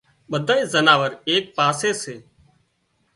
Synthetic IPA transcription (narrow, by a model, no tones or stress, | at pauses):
ɓəd̪ʱaːiːzənaːʋəɾeːk̚paːseːseː